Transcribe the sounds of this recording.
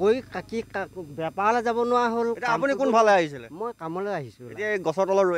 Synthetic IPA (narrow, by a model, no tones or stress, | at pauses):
kojkakikabɛpalzabɔnʊwaɦoletiaapunikunbʱalɛaɦis̬ilɛ̰mojkamɔlojaɦisʊ̃etiaeɡɔsɔtɔlɔɹo